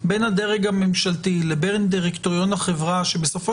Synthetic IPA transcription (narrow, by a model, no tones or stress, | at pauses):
be̞nhad̪e̞ʁeɡhamemʃalt̪ilebeʁnd̪iʁekt̪oʁjo̞nhaχevʁaʃe̞be̞sofo